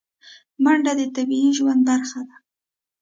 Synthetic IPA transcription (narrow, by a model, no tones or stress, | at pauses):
maɳɖad̪ɪt̪abiinʒwand̪̚baɾχad̪a